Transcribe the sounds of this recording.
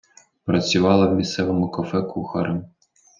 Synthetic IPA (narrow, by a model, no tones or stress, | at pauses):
pɾɐt͡sʲʊʋɑlˠɐwmʲist̪sɛʋɔmʊkɔfɛkʰuxɐɾɐm